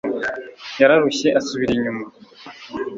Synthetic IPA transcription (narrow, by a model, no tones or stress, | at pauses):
jaɾaɾuçe̞ʔasuβiɾiɲuma